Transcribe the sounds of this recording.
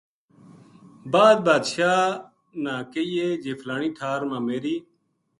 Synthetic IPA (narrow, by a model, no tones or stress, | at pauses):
baːd̪̚baːd̪ʃaː | nãːkeiːeːd͡ʒeːfʰlaːɳĩːʈʰaːɾmãːmeːɾiː